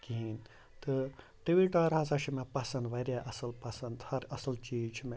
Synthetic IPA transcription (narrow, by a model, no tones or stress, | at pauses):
kiin | t̪ɨ | ʈiʋiʈaːɾɦasaʃʰimẽpɐsɐ̃nd̪ʋɐɾaʔɐsɐlpɐsɐ̃nd̪hɐɾɐsɐlt͡ʃiːd͡ʒt͡ʃʰimẽ